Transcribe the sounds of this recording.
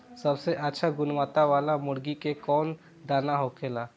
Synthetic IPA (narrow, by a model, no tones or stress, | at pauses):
sɐbseʔətːʃʰaɡʊnʋaːt̪aʋaːlamʊɽɡikekɔːn | d̪aːnaɦoːkʰeːlaː